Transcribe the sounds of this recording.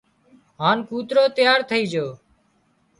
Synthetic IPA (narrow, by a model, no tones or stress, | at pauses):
ɦaːnkuːt̪ɾoːt̪ɪjaːɾt̪ʰəiːd͡ʒoː